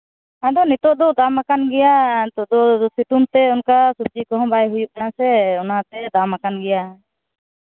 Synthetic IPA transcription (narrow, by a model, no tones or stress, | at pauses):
ad̪ɔnit̪ɔʔd̪ɔd̪amakanɡɛjat̪ɔʔd̪ɔsit̪unt̪ɛɔnkasub̚d͡ʒikɔɦɔ̃bajɦujuʔ̚ɛnasɛɔnat̪ɛd̪amakanɡɛja